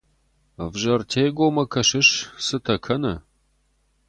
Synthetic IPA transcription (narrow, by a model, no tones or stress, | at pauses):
vʒɐrtʰeːɡʷoːmɐkʰɐʃɪɕsɨtʰɐkʰɐnɐ